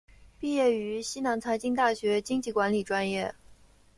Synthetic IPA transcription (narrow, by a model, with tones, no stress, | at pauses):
pi˥˧jɛ˥˩y˧˥ɕi˥na˧˥ŋt͡sʰa˧˥ɪt͡ɕi˥ŋt̪a˥˩ɕɥɛ˧˥t͡ɕi˥ŋt͡ɕi˥˩kwa˧˥nli˨˩ʈ͡ʂwa˥njɛ˥˩